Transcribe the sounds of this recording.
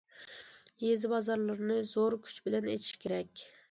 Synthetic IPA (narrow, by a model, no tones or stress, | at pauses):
jezɪbɑzɑɾlˠɨɾnɨzoɾkʲʰy̥t͡ʃbɪlɛnḛt͡ʃ̪ʰi̥ʃkʲʰeɾɛkʲ